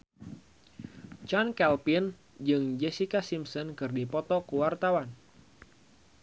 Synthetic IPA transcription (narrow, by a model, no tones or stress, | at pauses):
t͡ʃɔnkɛlpin | d͡ʒɨŋd͡ʒɛsikasimsɔnkɨrdipɔt̪ɔkuwart̪awan